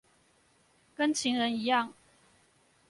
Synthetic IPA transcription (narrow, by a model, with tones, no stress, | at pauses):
kə˦nt͡ɕʰi˨˥ŋɻə˧˦ni˧˥jɑ˥˨ŋ